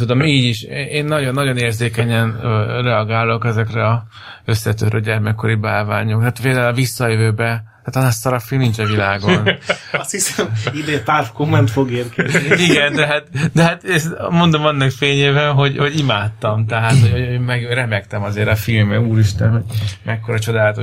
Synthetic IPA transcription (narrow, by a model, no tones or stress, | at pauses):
ud̪o̞miːɟiʃeeːnːɒɟo̞nːɒɟo̞neːrzeːkɛɲɛnrɛɒɡaːlo̞kɛzɛkrɛɒ | ø̞sːɛt̪øt̪ɾøɟɛrmɛkːo̞ɾibaːlvaːɲo̞ktaːt̪ʋeːlaːlɒvisːɒjøvøːbɛt̪aːt̪ɒnast̪ɒɾɒfilmnint͡ʃɛvilaːɡo̞nɒst̪hisɛmid̪et̪afkomːɛnt̪foɡeːrkɛziiɡɛnd̪ɛɦat̪d̪ɛɦaːt̪esmo̞nd̪o̞mɒnːɒkfeːɲeːvɛɦo̞ɟho̞ɟimaːt̪ːɒmt̪ɛɦaːt̪hoɟoøːmɛɡɾɛmɛkt̪ɛmɒzeːɾɒfilmɛuːɾiʃt̪ɛnɦoɟmɛkːoɾɒt͡ʃo̞d̪aːlɒt̪o